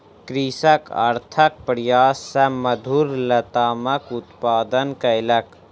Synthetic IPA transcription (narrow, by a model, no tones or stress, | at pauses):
kɾisəkə̰ɾt̪ʰək̚pɾjaːsːɐmɐd̪ʱuɾlɐt̪aːmɐkut̪paːd̪ənkɐjlɐk